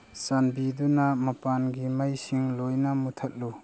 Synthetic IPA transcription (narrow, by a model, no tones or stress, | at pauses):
sanbidunɐmɐpanɡimajsiŋlojnɐmutʰɐt̚lu